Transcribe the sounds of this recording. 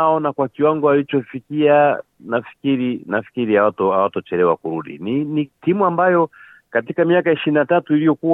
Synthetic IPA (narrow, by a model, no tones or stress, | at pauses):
aɔnakwakiwaŋɡɔalit͡ʃɔfikia | nafi̥kiɾinafi̥kiɾiawatɔawatɔt͡ʃɛlɛwakuɾuɗḭninitimuambajɔ | katikamiakaiʃiɾinatatuilijɔku